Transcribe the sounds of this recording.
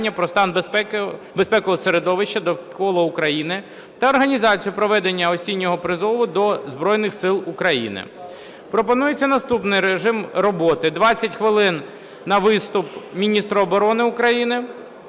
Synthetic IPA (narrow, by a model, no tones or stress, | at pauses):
nʲːɐpɾɔst̪ɑnbpbespɛkɔɦɔseɾed̪ɔʋɪʃt͡ʃːɐd̪ɔkɔlˠɔʊkɾɐjinɪ | t̪ɐːrɦɐnʲizɑt͡sʲijʊpɾɔʋɛd̪enʲːɐɔsʲinʲːɔɦɔpɾɪzɔʋʊd̪ɔzbɾɔjnɪxsɪlˠukɾɐjḭnɪ̰ | pɾɔpɔnujet͡sʲːɐnɐst̪upnɪjɾeʒɪmɾɔbɔt̪ɪd̪ʋɑt͡sʲːɐtʲxʋɪlˠɪnː | ɐʋɪst̪ʊpmʲinʲist̪ɾɔːbɔɾɔnɪʊkɾɐjinɪ